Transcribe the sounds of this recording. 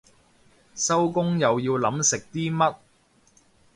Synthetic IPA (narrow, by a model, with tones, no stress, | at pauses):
sɐ˥wkʊ˥ŋjɐ˨wjiː˧wlɐ˨˥msɪ˨k̚t̪iː˥mɐ˥t̚